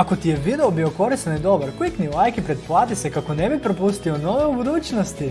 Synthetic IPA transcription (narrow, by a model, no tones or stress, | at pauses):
akot̪ijeʋid̪eobioko̞ɾist̪anid̪o̞baɾkojiknilˠajkipɾet̪̚plˠaːt̪isekakonebipɾopust̪ionoʋeubud̪uːt͡ʃnost̪i